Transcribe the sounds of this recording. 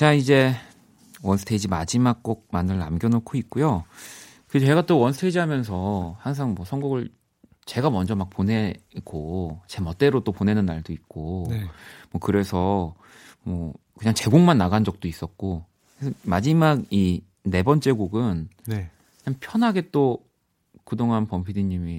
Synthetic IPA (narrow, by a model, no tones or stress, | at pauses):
t͡ɕaid͡ʑe̞ | wʌnsʰɯ̥tʰed͡ʑimad͡ʑimak̚k͈ʌk̚manɯɭna̰mɡjʌnokʰoit̚k͈ujo | kɯt͡ɕe̞ɡat͈owʌnsʰɯtʰed͡ʑiɦamjʌnsʰʌhaŋs̬ʰaŋmwʌsʰʌŋɡoɡɯɭ | t͡ɕe̞ɡamʌnd͡ʑʌmak̚p͈one̞ɡot͡ɕe̞mʌt͈e̞ɾot͈opone̞nɯnːaɭdoit̚k͈o | mwʌkɯɾe̞sʰʌ | mʌ | kɯɲaŋt͡ɕe̞ɡoŋmanːaɡand͡ʑʌk̚t͈ois͈ʌt̚k͈o | kɯesʰʌmad͡ʑimaɡ̚i | ne̞bʌnt͡ɕ͈e̞ɡoɡɯnne | kɯɲaŋpʰjʌnɦaɡe̞t͈o | kɯdoŋanpʌmpʰidiɲːimi